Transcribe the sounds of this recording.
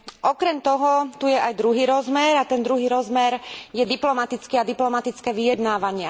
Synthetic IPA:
ʔɔkɾɛmt̪ɔɦɔt̪ujɛʔajd̪ɾuɦiːɾɔzmɛɾat̪ɛnd̪ɾuɦiːɾɔzmɛɾjɛd̪iplɔmat̪it͡skiːad̪iplɔmat̪it͡skɛːʋijɛd̪naːʋaɲɪa

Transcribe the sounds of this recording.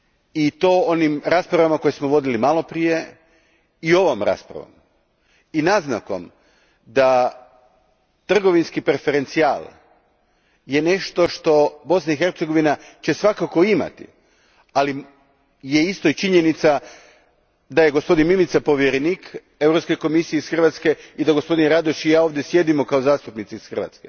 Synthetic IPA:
it̪o̞ːonimɾaspɾaʋamako̞jesmoʋo̞d̪ilimalo̞pɾije̞ | io̞ʋomɾa̰spɾa̰ʋo̰m | inazna̰ko̞̰m | d̪a | t̪r̩ɡo̞ʋinskipɾefe̞ɾe̞nt̪sialˠ | je̞ne̞ʃt̪o̞ʃt̪o̞bo̞snaixe̞ɾt̪seɡo̞ʋinat͡ɕe̞sʋakako̞ima̰t̪ḭ | ali | jeist̪o̞it͡ʃiɲenit̪sa | d̪ajeɡo̞spo̞d̪inmimit̪sapo̞ʋjeɾeniːk | e̞vɾo̞pskejko̞misijeisxr̩ʋat̪ske̞id̪aɡospo̞d̪inɾad̪oʃijaːo̞ʋd̪jesje̞d̪imo̞kaozaːst̪upnit̪sisxr̩ʋa̰t̪ske

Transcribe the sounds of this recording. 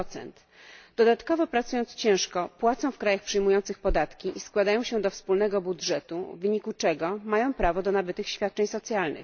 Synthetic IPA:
t̪sɛ̰nt̪ | d̪ɔd̪at̪kɔvɔpɾat̪sujɔnt̪st͡ɕɛ̃w̃ʂkɔpwat̪sɔ̃w̃fkɾajaxpʂɘjmujɔnt̪sɘxpɔd̪at̪kʲiʔiskwad̪ajɔ̃w̃ɕɛd̪ɔfspulnɛɡɔbudʐɛt̪ṵvɘɲikut͡ʂɛɡɔmajɔ̃w̃pɾavɔd̪ɔnabɘt̪ɘxɕfʲjat̪̚ːt͡ʂɛɲsɔt̪sʲjalnɘ̰x

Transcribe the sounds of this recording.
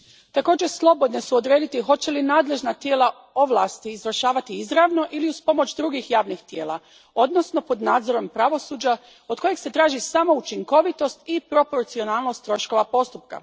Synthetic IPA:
t̪ako̞ːd͡ʑeslˠo̞bo̞d̪nesuod̪ɾe̞ːd̪it̪iɦo̞t͡ɕelinaːd̪le̞ʒnat̪jeːlˠa | o̞ʋlˠa̰ːst̪iːzʋr̩ʃaːʋat̪iizɾaʋno̞ʔiliuspo̞mo̞t͡ɕd̪ɾuɡixjaːʋnixt̪je̞ːlˠa | o̞d̪no̞sno̞po̞d̪naːd̪zo̞ɾo̞mpɾaʋo̞suːd͡ʑa | od̪̚ko̞jeɡse̞t̪ɾaːʒisamo̞ut͡ʃiŋko̞ʋit̪o̞st̪ipɾo̞po̞ɾt̪sio̞naːlˠno̞st̪ːɾo̞ʃko̞ʋapo̞st̪up̚ka̰

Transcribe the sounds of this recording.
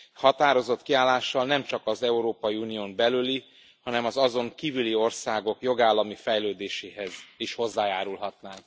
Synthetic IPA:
hɒt̪aːɾo̞zo̞t̪kiaːlːaːʃːɒlnɛmt͡ʃɒkɒzɛuɾoːpɒjiuːnioːmbɛlyli | hɒnɛmɒzɒzo̞ŋkiːvylio̞rsaːɡo̞kjo̞ɡaːlːɒmifɛjløːd̪eːʃeːɦɛziʃho̞zːaːjaːɾulɦɒt̪naːŋk

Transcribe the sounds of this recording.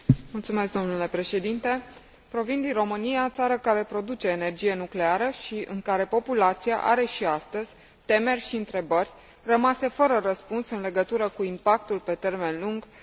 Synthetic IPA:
mult̪sume̞sk̚d̪o̞mnule̞pɾe̞ʃe̞d̪int̪e̞ | pɾo̞vind̪inro̞mɨnijat̪saɾəkaɾe̞pɾo̞d̪ut͡ʃe̞ːne̞rd͡ʒije̞nukle̞aɾəʃiʔɨ̰ŋkaɾe̞po̞pulat̪sia̰ʔa̰ɾe̞ʃiast̪əzʲ | t̪e̞me̞rʲʃiɨnt̪ɾe̞bərʲ | rəmase̞fəɾərəspunsɨnle̞ɡət̪uɾəkuimpakt̪ulpe̞t̪e̞rme̞nluŋɡ

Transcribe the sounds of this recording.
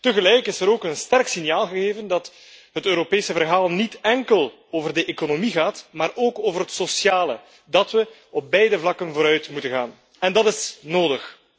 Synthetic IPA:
təɣəlɛjkɪsəɾoːkənstɛrksɪnjaːlˠɣəɣeːvəndɑt | ɦətøːɾopeːsəvərɦaːlˠnitɛŋkəlˠ | oːvərdəʔekonomiɣaːtmaːrʔoːkoːvərɦətsosjaːlə̰ | dɑtʋə | ɔp̚bɛjdəvlɑkənvoːɾœɥtmutənɣa̰ːn | ɛndɑtɪsnoːdəx

